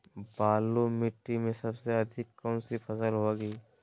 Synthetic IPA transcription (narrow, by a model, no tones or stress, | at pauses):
baːlomɪʈːimẽsɐbseɐd̪ʱɪkːəmsipfʰɐsəlɦoɡiː